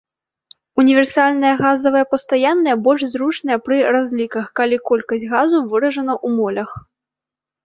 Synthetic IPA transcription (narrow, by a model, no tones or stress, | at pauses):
unʲivʲɛrsalʲnɐjɐɣazɐvɐjɐpɐst̪ajanːɐjɐbɔlʲʂzɾut͡ʂnɐjɐpɾɨrazʲlʲikɐxkalʲikɔlʲkɐsʲtʲɣazuvɨɾɐʐɐnɐʔumɔlʲɐx